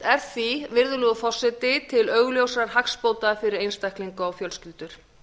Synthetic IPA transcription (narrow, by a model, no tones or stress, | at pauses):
ɛɾ̥θivɪɾðʏlʏðʏfɔ̥sːɪt̪ɪt̪ʰɪlœɣljowsaɾ̥ɦakspoːwt̪afɪɾɪɾejnst̪ajhkliŋkʏawfjœlscɪlt̪ʏɾ̥